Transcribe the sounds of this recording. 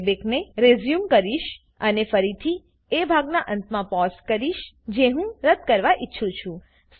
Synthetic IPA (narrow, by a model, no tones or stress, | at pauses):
bekneɾezjumkəɾiʃ | ənefəɾit̪ʰi | ebʱaɡnaʔənt̪ʰmãpɔskəɾiʃ | d͡ʒeɦũɾəd̪̚ʱkəɾʋaʔitːʃʰũt͡ʃʰũ | s